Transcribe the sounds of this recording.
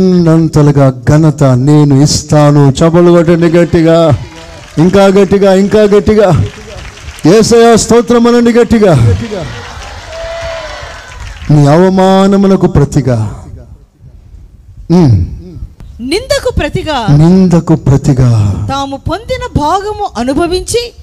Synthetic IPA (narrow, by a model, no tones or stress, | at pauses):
nːunɐnt̪ɐlɐɡaːɡɐnɐt̪ɐneːnuist̪aːnut͡ʃɐbɐluɡɐʈ̬ːɐɳɖiɡɐʈːiɡaː | iŋkaːɡɐʈːiɡaːiŋkaːɡɐʈːiɡaː | jɛːsɐjaːst̪ɐːt̪ɾɐmɐnɐɳɖiɡɐʈːiɡaː | niːɐʋɐmaːnɐmɐnɐkupɾɐt̪iɡaː | nind̪ɐkupɾɐt̪iɡaːnind̪ɐkupɾɐt̪iɡaːt̪aːmupo̞nd̪inɐbʱaːɡɐmuʔɐnubʱɐʋiɲt͡ʃi